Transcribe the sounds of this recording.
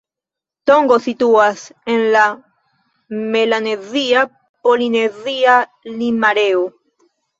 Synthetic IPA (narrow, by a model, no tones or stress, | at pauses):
t̪oŋɡosit̪uasenla | melanezia | polinezia | limaɾeu